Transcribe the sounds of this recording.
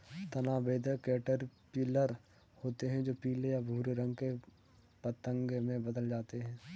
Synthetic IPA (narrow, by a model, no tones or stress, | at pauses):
t̪ɐnaːbeːd̪ʱəkeːʈəɾpɪləɾ | hoːt̪eɦɛ̃d͡ʒoːpiːlejabʱuːɾeɾɐ̃ŋɡke | pɐt̪ə̃ŋɡmẽbɐd̪əld͡ʒaːt̪eɦɛ̃ː